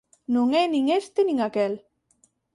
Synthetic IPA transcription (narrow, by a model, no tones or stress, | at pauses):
nuŋɛniŋest̪eniŋakɛl